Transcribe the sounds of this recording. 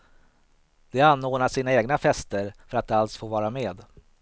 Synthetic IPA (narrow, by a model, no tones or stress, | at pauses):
d̪̥ɛanːoːnaʂiːnaeːɡnafɛst̪əɾfœɾat̪̚d̪alsfoːɾvɑːɾameːd̪